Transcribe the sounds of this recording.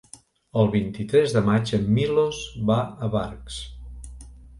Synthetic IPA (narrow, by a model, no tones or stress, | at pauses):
əlˠβint̪it̪ɾɛzðəmad͡ʒəmːilozβaəβaɾks